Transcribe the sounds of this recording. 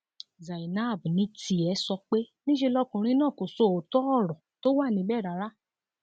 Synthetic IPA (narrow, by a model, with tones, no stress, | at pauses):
za˨i˨na˦˨bnĩ˨˦ti˧˦ɛ˧˦sɔ˧k͡pe˦nĩ˦ʃe˧lɔ˦kũ˨ɾ̃ĩ˧˦nãː˦˨ko˨so˦˨o˨tɔ˦ɔ˦˨ɾɔ̃˨to˦wa˦˨nĩ˧˦bɛː˦˨ɾa˨˦ɾa˦